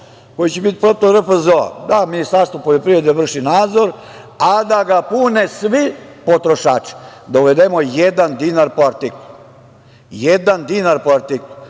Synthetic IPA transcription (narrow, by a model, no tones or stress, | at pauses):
kojit͡ɕebit̪i̥pɾot̪oɾəfezoa̰d̪aminist̪aɾst̪ʋopoʎopɾived̪eʋr̩ʃinaːd̪zoɾ | ad̪aɡapunesʋipo̞t̪ɾoʃaːt͡ʃi̥d̪auʋed̪emojed̪and̪inaɾpoaɾt̪iklu | jed̪and̪inaɾpoaɾt̪iklˠu